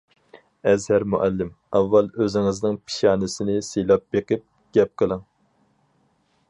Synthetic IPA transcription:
ɛzhæɾmuʔælːɪm | ɑvːɑlˠøzɪŋɪznɪŋpʰi̥ʃɑːnɨsɪnɪselˠɑp̚beqɨp̚ | ɡ̥ʲɛp̚qʰəlˠɨŋ

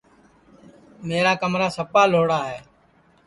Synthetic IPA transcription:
meːɾaːkəmɾaːsəpaːloːɽaːɦɛː

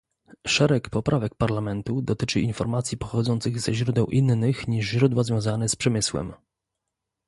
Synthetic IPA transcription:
ʂɛɾɛkpɔpɾʔavɛk̚paɾlamɛnt̪ud̪ɔt̪ɘt͡ʂɘʔinfɔɾmat̪sʲjipɔxɔd̪zɔnt̪sɘɣzɛʑɾud̪ɛw̃ʔinːɘxɲiʐʑɾud̪wazvʲjɔ̃w̃zanɛspʂɛmɘswɛ̰m

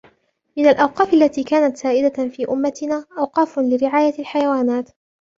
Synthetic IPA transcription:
mɪnalʔawqɑːfʔalːat̪iːkaːnat̪saːʔɪd̪afiːʔʊmːat̪ɪnaːʔawqɑːflɪɾɪʕaːjalħajawaːnaːt̪

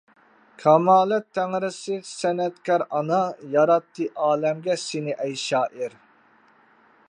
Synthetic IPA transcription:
kʰɑmɑːlɛt̪ʰːæŋɾɪsɨsɛnɛt̪kʲʰɑɾɑnɑjɑɾɑt̪ʰːɨʔɑːlɛmɡʲɛsɪnɪʔɛjʃɑːʔɪɾ

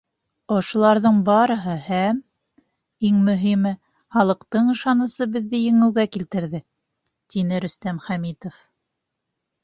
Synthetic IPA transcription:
ŏʃŏlˠɑɾðɤɴbɑɾɤ̆ɦɤhæm | iŋmɵ̆ɦimɘ | χɑlˠɤ̆qt̪ɤɴɤ̆ʃɑnɤ̆sɤbɘ̆ðːɘjɘ̆ŋɘ̆wɡækilt̪ɘ̆ɾðɘ | t̪inɘɾɵ̆st̪æmχæmit̪ŏf

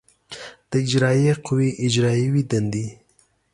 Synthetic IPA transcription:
d̪̥əɪd͡ʒɾɑjeqʰʊwiʔɪd͡ʒɾɑjiwid̪and̪i

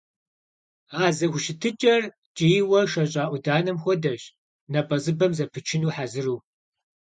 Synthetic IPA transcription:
aːzɐxʷʊʃɪtʰɨt͡ʃʼɐr | t͡ʃʼijwɐʂɐɕʼaːʔʷʊdaːnɐmxʷɔdɐɕ | nɐpʼɐzɨbɐmzɐpʰɨt͡ʃʰɪnuːħazɨruː

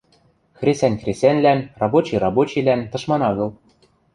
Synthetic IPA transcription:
xrʲesʲænʲkrʲesʲænʲlænrɑbot͡ɕirɑbot͡ɕilænt̪ɤ̆ʃmɑnɑɣɤ̆lˠ

